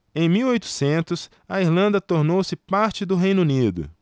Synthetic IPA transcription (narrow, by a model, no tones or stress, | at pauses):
ẽj̃miwojt̪ʊ̥sẽnt̪ʊs | ɐiɾlɐ̃nd̪ɐt̪oɾnowsɪpaɾt͡ʃɪd̪ʊɦej̃nunid̪ʊ̰